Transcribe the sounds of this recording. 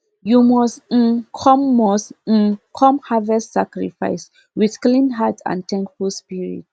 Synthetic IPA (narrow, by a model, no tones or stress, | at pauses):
jumɔstkʰɔ̃mːɔst̩kʰɔ̃mhavɛstːakɹḭfa̰ɪs | wið̥klĩnɦatʰã̰ntʰɛ̃nkfulspiɹḭt̚